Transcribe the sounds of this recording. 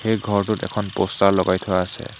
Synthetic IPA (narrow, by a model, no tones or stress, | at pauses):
xejɡʱɔɹtʊtɛ̰kʰɔnpɔstaɹlɔɡajtʰʊwaːsɛ̰